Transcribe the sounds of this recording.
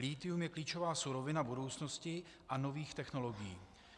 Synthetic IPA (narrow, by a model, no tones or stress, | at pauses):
liːt̪ɪumjɛkliːt͡ʃovaːsuɾovɪnabudo̞wt͡sno̞scɪ | ʔano̞viːxt̪ɛxno̞lo̞ɡɪjḭː